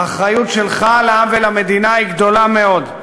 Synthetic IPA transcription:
aχɾajutʃelχaleamvelame̞d̪inaiɡd̪o̞lameo̞d̪

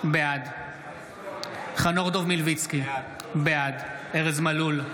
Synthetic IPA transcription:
bead̪ | χanoʁd̪ovmilvit͡ski | bead̪eʁezmalul

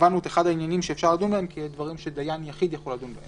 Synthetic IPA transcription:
vanot̪eχadhainjanimʃeːfʃaʁladunbaemkʰed̪vaʁimʃed̪ajanjaχid̪jaχuladunbahe

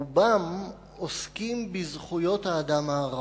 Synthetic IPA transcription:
bam | oskimbizχujo̞t̪haːd̪amaːʁ

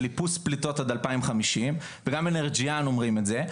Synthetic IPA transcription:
lipusplito̞tad̪alpaimχamiʃim | veɡameneʁd͡ʒijano̞mʁimetze

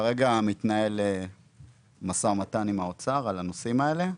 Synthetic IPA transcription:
aʁe̞ɡamit̪nae̞le | masaʁmat̪animaot͡saʁalanosimae̞le̞

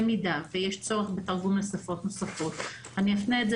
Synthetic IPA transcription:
midavejeʃt͡so̞ʁeχbetaʁɡumnosafo̞tnosafo̞t̪ | aniafneedze

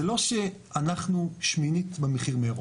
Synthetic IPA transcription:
elo̞ʃe | anaχnuʃminit̪bemeχiʁmeʁo

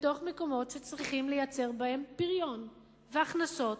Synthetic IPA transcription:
to̞χme̞ko̞mo̞tʃet͡sʁiχimle̞jat͡se̞ʁbahe̞mpiʁjo̞n | veaχnaso̞t

